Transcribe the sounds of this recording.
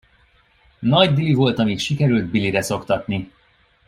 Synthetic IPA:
nɒɟd̪ilivo̞lt̪ɒmit̪ʃikɛɾyld̪̚biliɾɛso̞kt̪ɒt̪ni

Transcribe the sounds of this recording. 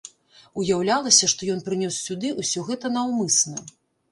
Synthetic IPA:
ujawlʲalˠɐsʲɐʂt̪ɔjɔn̪pɾɨnʲɔsːʲud̪ɨʔusʲɔɣɛt̪ɐnɐwmɨsnɐ

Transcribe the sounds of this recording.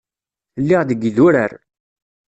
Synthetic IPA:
lːɪʁðəɡðʊɾəɾ

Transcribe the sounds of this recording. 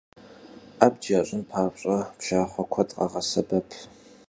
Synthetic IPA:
aːbd͡ʒaːɕʼɪmpʰaːpɕʼɐpʰʃaːχʷɐkʷʰɐtʼqʼɐ̰ʁɐsɐbɐpʰ

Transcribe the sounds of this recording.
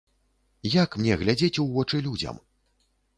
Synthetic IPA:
jakmnʲɛɣlʲad͡zʲet͡sʲuwvɔt͡ʂɨlʲud͡zʲɐ̰m

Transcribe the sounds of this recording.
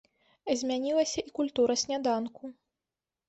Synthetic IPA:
zʲmʲanʲilˠɐsʲɐʔikulʲt̪uɾɐsʲnʲad̪anku

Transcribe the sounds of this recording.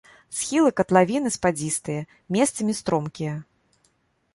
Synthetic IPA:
sxʲilˠɨkɐt̪lˠavʲinɨspad͡zʲist̪ɨjɐ | mʲɛst̪sɐmʲist̪ɾɔmkʲijɐ

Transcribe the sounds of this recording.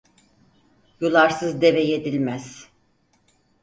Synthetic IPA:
julˠaɾsɯzd̪e̞vejed̪ilʲmæz̥

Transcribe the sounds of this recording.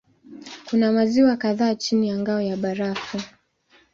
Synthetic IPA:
kunamaziwakaðaːt͡ʃinijaŋɡaɔjaɓaɾafu

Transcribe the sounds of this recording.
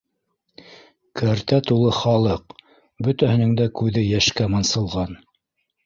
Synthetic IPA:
kʰæɾt̪æt̪ulˠɤχɑlˠɤq | bɵ̆t̪æhɘ̆nɘŋd̪ækʉðɘjæʃkæmɑnsɤ̆lˠʁɑn

